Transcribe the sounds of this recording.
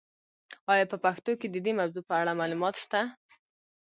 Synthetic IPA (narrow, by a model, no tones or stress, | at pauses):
ɑjɑpəpaxt̪oked̪əd̪emabzopəaɽamalumɑt̪ʃt̪a